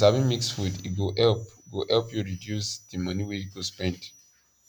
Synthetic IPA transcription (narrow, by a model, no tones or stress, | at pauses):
savĩnmiksfudḭɡoʔɛlpɡoʔɛlpjuɹidjusdimʌniweit̚ɡospɛ̃nd